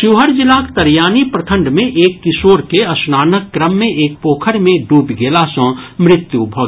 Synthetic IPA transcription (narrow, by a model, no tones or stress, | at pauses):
ʃuɦəɾd͡ʒɪlaːkt̪ɐɾjaːnipɾət̪ʰə̃ɳɖmẽʔeːkːɪsoːɾkeɐsnaːnəkːɾəmːẽʔeːk̚poːkʰəɾmẽɖuːbɡeːlasə̃mɾɪt̪jubʱoːɡ